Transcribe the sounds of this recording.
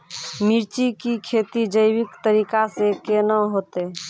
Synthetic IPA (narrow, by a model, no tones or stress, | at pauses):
miɾt͡ʃikikʰeːt̪id͡ʒəɪwɪkt̪əɾiːkasekenəɦoːt̪e